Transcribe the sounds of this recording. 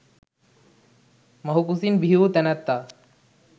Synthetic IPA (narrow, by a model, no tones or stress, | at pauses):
mɐɦukusinbʱiut̪ɐnɐt̪ːa